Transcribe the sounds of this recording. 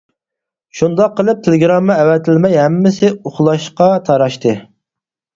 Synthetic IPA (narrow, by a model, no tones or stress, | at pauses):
ʃund̪ɑqːəlˠɨp̚t̪ʰelɪɡɾɑmːɨɛwɛt̪ʰɪlmɛjɦæmːɪsɪuχlˠɑʃqɑt̪ʰɑɾɑʃt̪ʰɨ